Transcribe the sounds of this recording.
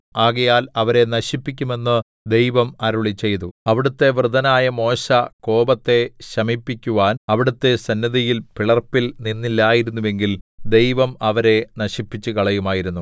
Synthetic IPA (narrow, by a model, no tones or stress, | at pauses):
aːɣɐjaːlɐʋɐɾe̞nɐɕipːik̬ʲːume̞nːɨ | d̪e̞jʋɐmɐɾuɭit͡ɕːe̞jt̪uɐʋiɽut̪ːe̞ʋrɨd̪ɐnaːjɐmo̞ːɕɐko̞ːbɐt̪ːe̞ɕɐmipːikʲːuʋaːnɐʋiɽut̪ːe̞sɐnːɐðijilpiɭɐrpːilninːilːaːjiɾunːuʋe̞ŋɡild̪e̞jʋɐmɐʋɐɾe̞nɐɕipːit͡ɕːukɐɭɐjumaːjiɾunːu